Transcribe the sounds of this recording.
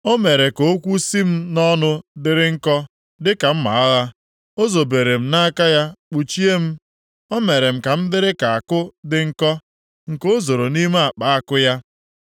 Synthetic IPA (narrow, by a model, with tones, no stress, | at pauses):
o˦me˨ɾe˨ko˨˦o˦kʷu˦si˦m̩˦nɔ˦nʊ˦dɪ˦ɾɪ˦ŋ̩˦kɔ˦ | dɪ˦ka˨m̩˦ma̰˨a˦ɣa˦ | o˦zo˨be˨ɾe˨m̩˦na˦a˦ka˦ja˦k͡pu˨t͡ʃi˦e˦m̩˦ | ɔ˦me˨ɾe˨m̩˨ka˨m̩˦dɪ˦ɾɪ˦ka˨a˨kʊ˦dɪ˨ŋ̩˦kɔ˦ | ŋ̩˨ko˦zo˨ɾo˨ni˦m˦a˨k͡pa˦a˦kʊ˦ja˦